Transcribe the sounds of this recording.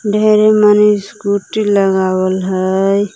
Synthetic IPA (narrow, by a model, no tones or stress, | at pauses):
ɖʱeɾemanisɡuʈiləɡawəlɦəj